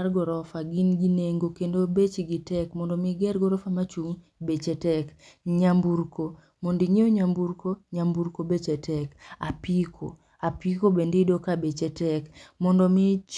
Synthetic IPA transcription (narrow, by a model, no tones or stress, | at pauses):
rɡɔɾɔfaɡinɡineŋɡokendobet͡ʃiɡitɛkmɔndɔmɪɡɛɾɡɔɾɔfamat͡ʃuŋbet͡ʃɛtɛkɲambuɾko | mondiɲeoɲambuɾkoɲambuɾkobet͡ʃɛtʰɛkapikʰo̰ | apikobendedokabet͡ʃɛtɛkmɔndɔmit͡ʃ